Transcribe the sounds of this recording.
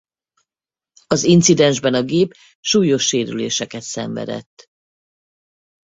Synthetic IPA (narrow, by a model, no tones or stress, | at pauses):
ɒzint̪sid̪ɛnʒbɛnɒɡeːp | ʃuːjo̞ʃːeːɾy̰lḛːʃɛkɛt̪sɛ̰ɱvɛ̰d̪ɛ̰t̪ː